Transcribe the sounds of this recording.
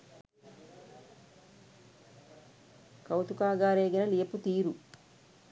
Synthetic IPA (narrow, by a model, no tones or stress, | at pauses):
kɐwt̪ukaːɡaːɾeːɡinɐlijɐput̪iːɾu